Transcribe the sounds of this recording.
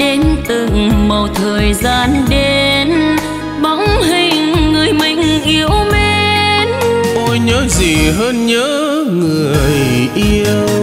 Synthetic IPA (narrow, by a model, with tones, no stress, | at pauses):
ɗe˨˦nt̪ɨ˨˩ŋmə˨˩wt̪ʰəː˨˩jzaː˧˩nɗe˧n | ɓɔ˧˦wŋ͡mɦï˨˧˩ŋːɨ˨˩əjmï˨˩ŋ̟ʔi˧əwme˧nʔo˧jɲəː˨˦zi˨˩ɦəː˧nɲəː˨˦ | ŋɨ˨˩əəj | ʔi˧əw